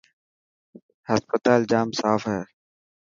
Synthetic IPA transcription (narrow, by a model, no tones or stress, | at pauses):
həspət̪aːld͡ʒaːmsaːfɦɛː